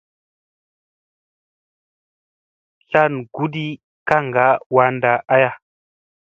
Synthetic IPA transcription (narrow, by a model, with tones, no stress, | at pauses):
ɬa˦˨nɡu˦di˦ | ka˦ŋɡa˦wa˨˦nda˨a˦ja˨